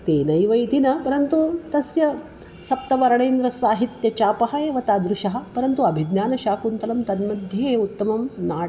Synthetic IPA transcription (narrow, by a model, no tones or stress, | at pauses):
t̪eːnɐjʋɐjt̪inɐpɐɾɐnt̪ut̪ɐsjɐ | sɐp̚t̪ɐʋɐɾɐɳejːnd̪ɾɐsaːɦit̪jɐt͡ʃaːpɐɦɐeːʋɐt̪aːd̪ɾuʃɐɦɐ̆pɐɾɐnt̪uɐbʱid̪naːnɐʃaːkunt̪ɐlɐmt̪ɐnmɐd̪ʱjeːut̪ːɐmɐmnaː